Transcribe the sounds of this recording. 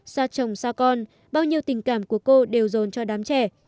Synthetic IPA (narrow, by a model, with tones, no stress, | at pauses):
saː˧t͡ɕə˧˩wŋ͡msaː˧kɔ˧n | ɓaː˧wɲi˧wt̪ï˨˩ŋ̟kaː˧˩mku˧˩əko˧ɗe˨˩wzo˨˦nt͡ɕɔ˧ɗaː˨˦mt͡ɕɛ˧˩